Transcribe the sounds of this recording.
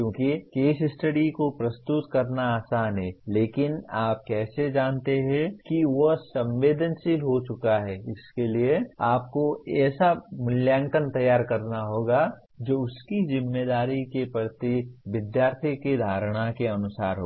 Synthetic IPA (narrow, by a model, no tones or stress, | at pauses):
kjõːkikeːsɪsʈəɽikopɾɐst̪ʊt̪kɐɾnaaːsaːnɦɛːleːkɪnaːp̚kɛːsed͡ʒaːnt̪eɦɛ̃kiʋosɐ̃mʋeːd̪ənsiɦot͡ʃʊkaɦɛːɪskelieaːp̚koɛːsamʊljãːŋkənt̪ɐjaːɾkɐɾnaɦoːɡa | d͡ʒoːʊskizɪmːeːd̪aːɾikepɾət̪iʋɪd̪jaːɾt̪ʰiked̪ʱaːɾɽ̃akeɐnʊsaːɾɦo̰ː